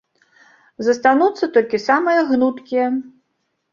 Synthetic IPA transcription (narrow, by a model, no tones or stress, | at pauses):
zɐst̪anut̪sːɐt̪ɔlʲkʲisamɨjɐɣnut̪kʲijɐ